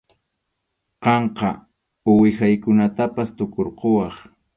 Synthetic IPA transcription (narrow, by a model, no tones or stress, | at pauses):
qɑɴqɑ | ʊwɪxajkʊnat̪apast̪ʊkoɾqowɑχ